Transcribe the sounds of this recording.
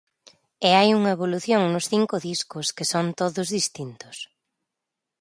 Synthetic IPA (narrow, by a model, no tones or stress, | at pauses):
ɪajuŋɐeβoluθjoŋnʊsθiŋkʊðiskʊskɪsont̪oðʊzðist̪int̪ʊ̥s